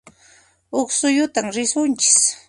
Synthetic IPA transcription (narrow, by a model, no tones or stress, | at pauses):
ʊχsʊjʊt̪amɾɪsʊnt͡ʃɪ̥s